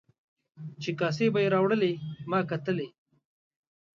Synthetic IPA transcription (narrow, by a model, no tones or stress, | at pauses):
t͡ʃekas̬ebajeɾɑwɽəlemɑːkat̪əle